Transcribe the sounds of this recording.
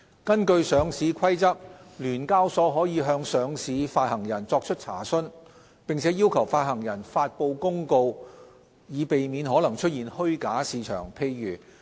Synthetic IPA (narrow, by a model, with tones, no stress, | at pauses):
kɐ˥nkɵ˧ɥsœː˨˧ŋsiː˨˧kʰɐ˥jt͡sɐ˥k̚lyː˨˩nkaː˥wsɔː˨˧ɦɔː˨˥jiː˨˧ɦœː˧ŋsœː˨˧ŋsiː˨˥faː˧t̚hɐ˨˩ŋjɐ˨˩nt͡sɔː˧k̚t͡ʃʰɵ˥t̚t͡sʰa̰ː˨˩sɵ˥n | pɪ˨ŋt͡sʰɛː˨˥jiː˥wkʰɐ˨˩wfaː˧t̚hɐ˨˩ŋjɐ˨˩nfaː˧t̚po˧wkʊ˥ŋko˧w | jiː˨˧pe˨jmiː˨˥nɦɔː˨˥lɐ˨˩ŋt͡ʃʰɵ˥t̚jiː˨nhɵ˥ɥkaː˨˥siː˨˧t͡ʃʰœ̰ː˨˩ŋpʰe˧jːyː˨˩